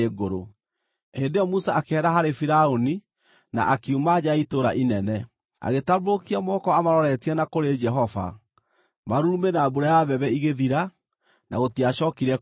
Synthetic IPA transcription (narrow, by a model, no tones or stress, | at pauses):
eɡoɾo | hendejɔmusaakeɛɾaɦaɾefiɾaoni | na̰ʔakiumad͡ʑaitoɾaʔinɛnɛ | a̰ɣetaβokiamɔːkɔamaɾɔɾɛtiɛnakoɾed͡ʒɛɦɔva̰ | maɾuɾumenaːbuɾajaβɛβɛiɣeðiɾa | na̰ɣotiaʃɔːkiɾɛ